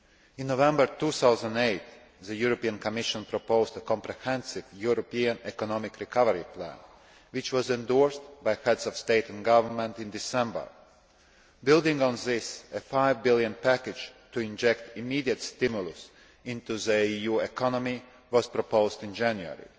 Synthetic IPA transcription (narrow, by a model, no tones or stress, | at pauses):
ĩnːovɛ̃mbəɾt̪uːsaʊzãndeɪt̪ | ðəjuɾɔpiãnkɔmɪʃɔ̃npɾɔpoʊzt̪əkɔ̃mpɾɛhɛ̃nsɪvjuɾɔpiãnɛkɔnɔmɪkɾikʰavəɾiplæ̰̃n | wɪt͡ʃwɔzɛ̃nd̪ɔɹst̪bajhɛd̪sɔvst̪eɪt̪æ̃nɡavəɾmɛ̃nt̪ĩnd̪isɛ̃mbə̰ɹ | bɪlˠd̪ĩŋɡɔ̃nzɪsefaɪvbilˠjə̃npækɪd͡ʒt̪uĩnd͡ʒɛkt̪imiːd̪iət̪st̪ɪmjulˠus | ĩnt̪uzəijuːɛkʰɔnɔmi | ʋɔz̥pɾɔpoʊzt̪ĩnd͡ʒæ̃njuə̰ɾḭ